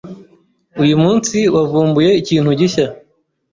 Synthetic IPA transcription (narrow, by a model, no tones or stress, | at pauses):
ujumuːnsiwavuːmbuje̞iciːn̥huɟiça